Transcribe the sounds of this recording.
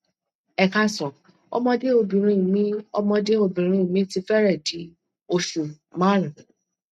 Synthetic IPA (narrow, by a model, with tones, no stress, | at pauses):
ɛ˨ka˧sɔ̃˨ | ɔ̰˧mɔ̃˧de˦o˧˨bĩ˨ɾ̃ĩ˦˨mĩ˦ɔ˧mɔ̃˧de˦o˧˨bĩ˨ɾ̃ĩ˧˦˨mĩ˨˦ti˧˦fɛ˦ɾɛ˦˨di˨˦ | o˧ʃu˨ | mã˦ɾĩ˨